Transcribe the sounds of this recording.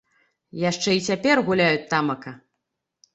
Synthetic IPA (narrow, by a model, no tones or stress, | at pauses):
jaʂt͡ʂɛit͡sʲapʲɛrɣulʲajut͡sʲt̪amɐkɐ